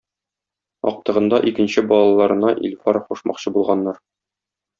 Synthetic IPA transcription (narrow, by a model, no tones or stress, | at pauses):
ɒ̰q̚t̪ɤ̆ʁɤ̆nd̪ɑʔikɘ̆nɕɘbɒlˠɑlˠɑɾɤ̆nɑʔḭlʲfɑɾχuʃmɑ̰qɕɤbulˠʁɑnːɑɾ